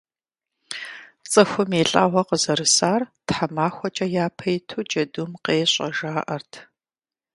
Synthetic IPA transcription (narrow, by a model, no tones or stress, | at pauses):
t͡sʼɨxʷʊmeːɬʼa̰ːʁʷɐqəzɐɾɨsaːrtħamaːxʷɔt͡ʃʼɐjaːpʰɐjtʰuːd͡ʒɐdumqeːɕʼɐʒaːʔɐrtʰ